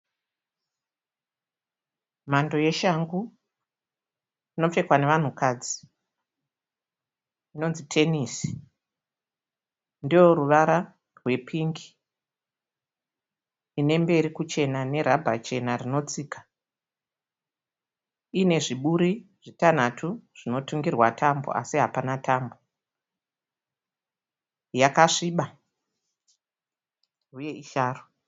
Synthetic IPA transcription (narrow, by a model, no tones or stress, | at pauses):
imando̞je̞ʃaŋɡu | ino̞p͡ffe̞kwane̞ʋan̤ukaːd͡zi | ino̞nzitʰe̞nisi̥ | ndijoɾuʋaɾa | rwe̞pʰiŋɡi̥ | ine̞mbe̞ɾikut͡ʃe̞nane̞ɾabʱat͡ʃe̞narino̞t͡siːkḁ | ine̞ʐiɓuɾiʐitan̤atʰuʐ̥ino̞tuŋɡirwatʰambo̰ʔa̰siɦapanatambo̞ | jakaʂiɓa | uje̞ʔiʃaːro